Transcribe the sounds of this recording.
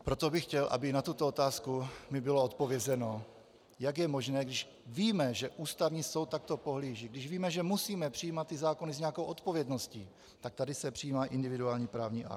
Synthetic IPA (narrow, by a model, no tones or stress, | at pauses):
pɾo̞t̪o̞bɪxcɛlʔa̰bɪnat̪ut̪oot̪aːskumɪbɪlo̞ot̪̚po̞vjɛzɛno̞ | jaɡjɛmo̞ʒnɛːɡdɪʃ | viːmɛʒɛʔuːst̪avɲiːso̞wt̪ːak̚t̪o̞po̞ɦliːʒɪɡdɪʃviːmɛʒɛmusiːmɛpr̥ɪjiːmat̪̚ːɪzaːko̞nɪzɲɛako̞wʔo̞t̪po̞vjɛdno̞sciː | t̪ak̚t̪adɪsɛpr̥ɪjiːmaːʔɪndɪvɪduaːlɲiːpɾaːvɲiːʔa̰k̪